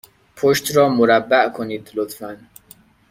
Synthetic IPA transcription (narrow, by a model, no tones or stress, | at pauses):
pʰoʃt̪ɾɒːmoɾæbːæʔkʰoniːd̪lot̪fæn